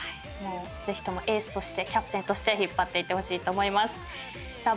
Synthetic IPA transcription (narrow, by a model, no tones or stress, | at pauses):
ai | mo̞ː | ze̞çʲi̥t̪o̞mo̞ʔe̞ːsɨ̥t̪o̞ɕi̥t̪e̞kʲapɯ̥t̪ent̪o̞ɕi̥t̪e̞çipːat̪ːeit̪ːeho̞ɕiːt̪o̞ːmo̞imasɨ̥ | zaː